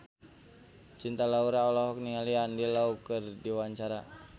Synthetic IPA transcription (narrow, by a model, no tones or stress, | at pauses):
t͡ʃint̪alauɾaɔlaɦɔk̚niŋaliandialaukɨrdiwaɲt͡ʃaɾa